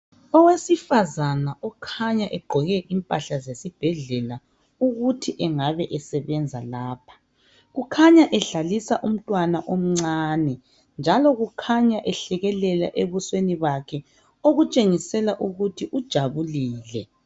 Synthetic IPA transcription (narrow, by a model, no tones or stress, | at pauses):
ɔwesifazanaʔɔkʰaɲaʔɛɡ͡ǃʱɔɣɛʔimpʼaɬazesib̥ʱɛɮɛla | uɣutʰiʔɛŋaβɛʔɛsɛβɛnd͡zʱalaːpʰḁ | ɣukʰaɲaʔɛɬalisaʔum̩tʼwanaʔom̩ŋ͡ǀaːnɛ | nd͡ʒʱalɔɣukʰaɲaʔɛɬɛɣɛlɛla̰ʔeβusweniβakʰɛ | oɣut͡ʃʼeŋisɛlaʔuɣutʰiʔud̥ʒ̥ʱaβuliːlɛ